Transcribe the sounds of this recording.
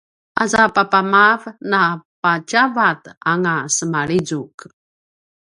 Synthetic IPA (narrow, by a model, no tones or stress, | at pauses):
ʔazapapamavnapat͡ʃavat̪aŋasəmaɭizuk